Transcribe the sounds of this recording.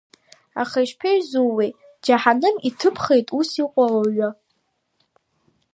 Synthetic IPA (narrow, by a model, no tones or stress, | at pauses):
a̰χajʃpʰeɥzuwi | d͡ʒaħanɨmitʰɨpʰχejtʼusiqʷʼaloɥʷa